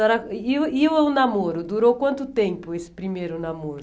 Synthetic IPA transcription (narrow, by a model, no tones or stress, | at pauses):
ɛɾɐiiwɛʊnamoɾʊd̪uɾowkwɐ̃nt̪ʊt̪ẽmpʊesɪ̥pɾimejɾʊnamoɾ